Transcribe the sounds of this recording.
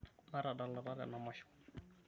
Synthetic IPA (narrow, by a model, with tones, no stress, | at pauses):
ma˦ɾa˨ɗa˨la˨ɾa˦ɾa̰˨na˨mɔ˦ʃɔ̥